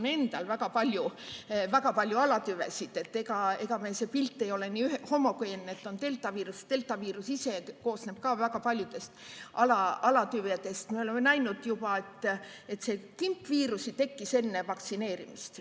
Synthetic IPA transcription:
ne̞nd̪̥ɑlvækɑpɑlʲjuvækɑpɑlʲjuɑlɑt̪yvḛsid̪̥e̞t̪ːe̞ɡɑe̞ɡ̥ɑmeːse̞ːpilt̪ːˑe̞jo̞leniːyheho̞mːɑkujenːet̪ːˑo̞nt̪e̞lt̪ːˑɑviːɾust̪e̞lt̪ːˑɑviːɾusise̞ko̞ːsne̞b̥̚kɑvækɑpɑlʲjud̪̥e̞st̪ɑlɑɑlɑt̪yvet̪e̞st̪mieo̞le̞mːenæjnud̪̥jubɑe̞t̪ːˑe̞t̪se̞kimpːviːɾusit̪e̞kːise̞nːe̞vɑkt̪sine̞ːɾḭmist̪

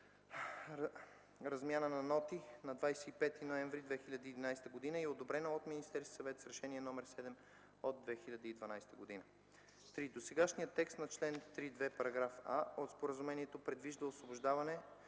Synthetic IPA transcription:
ɾɐzmʲjanənɐnɔt̪inɐd̪vajsɛipɛt̪inoɛɱvɾid̪vɛxilʲɐd̪əiːd̪inajst̪əɡod̪inəiɛod̪obɾɛnɐot̪minist̪ɛɾskʲi̥sɐvɛt̪sɾɛʃɛniɛnɔmɛɾsɛd̪ɛm | od̪̚ːvɛxilʲɐd̪əid̪vɐnajst̪əɡod̪inə | t̪ɾid̪osɛɡaʃnijət̪ːɛkst̪nɐt͡ʃlɛnt̪ɾid̪vɛpɐɾɐɡɾafaot̪spoɾəzumɛniɛt̪opɾɛd̪viʒd̪ɐosvobʊʒd̪avɐnɛ

